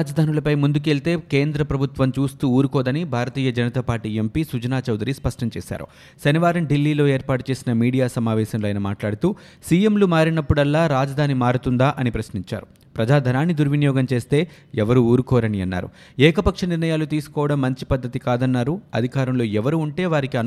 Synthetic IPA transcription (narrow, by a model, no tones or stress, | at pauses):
d͡ʒɐd̪ʱaːnulɐpɐjmund̪uk̬e̞ɭlt̪e̞ːke̞ːnd̪ɾɐpɾɐbʱut̪ʋɐmt͡ʃuːst̪uːuːɾukɔːd̪ɐnibʱaːɾɐt̪iːjɐd͡ʒɐnɐt̪ɐpaːɾʈiːempiːsud͡ʒɐnaːt͡ʃɐwd̪ɾispɐʂʈɐmt͡ʃeːʃa̰ːɾṵ | sɐniʋaːɾɐmɖilːiːlo̞ːe̞ːɾpaːʈut͡ʃe̞ːsinɐmiːɽijaːsɐmaːʋɛːʃɐmloːɐjnɐma̰ːʈlaːɽut̪uː | siːjemlumaːɾinɐpːuɽɐlːaːɾaːd͡ʒɐd̪ʱaːnimaːɾut̪und̪aːʔɐnipɾɐsniɲt͡ʃa̰ːɾu | pɾɐd͡ʒaːd̪ʱɐnaːnːid̪uɾʋinijɔːɡɐmt͡ʃe̞ːst̪e̞ː | ɛʋɐɾuuːɾukɔːɾɐniɐnːa̰ːɾṵ | ɛːkɐpɐkʂɐniɾnɐjaːlut̪iːsu̥kɔːʋɐɽɐmːɐɲt͡ʃi̥pɐd̪ʱːɐt̪ikaːd̪ɐnːaːɾuɐd̪ʱikaːɾɐmlo̞ːɛʋɐɾuːɳʈe̞ːʋaːɾikiɐn